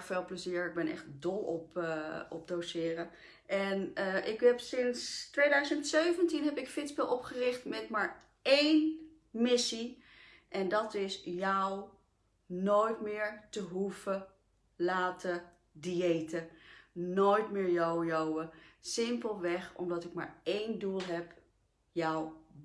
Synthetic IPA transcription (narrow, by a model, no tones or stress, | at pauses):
feːlˠpləziːɹɪɡ̚bɛnɛ̰χt̚dɔlˠɔpɔp̚dowsɪːrə | ʔɛnəʔɪkɦɛpsɪnstʋejdœɥzəntsøɥvəntinɦɛpɪkfɪtsbɪlˠɔpχərɪχtmɛtmaːɹ | ejn | mɪsi | ʔɛndɑtɪsjɔw | noːjtmɪːɹtəɦufə | laːtə | diejtənoːjtmɪːɹjowjowəsɪmpəlˠʋɛχɔ̰mdɑtɪkma̰ːɹejndulˠɦɛp | jɔw